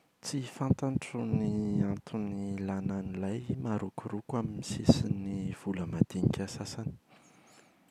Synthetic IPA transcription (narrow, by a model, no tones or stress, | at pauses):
t͡sifant̪aɳʈ͡ʂuniant̪ʰunilananilajmaɾukuɾukwaminisisiniv̥uləmad̪̥iɲikʲasasani̥